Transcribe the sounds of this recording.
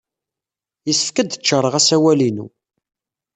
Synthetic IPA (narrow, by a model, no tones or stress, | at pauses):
jəsə̥fkəd̪t͡ʃːəɾˤəʁæsæwælinṵ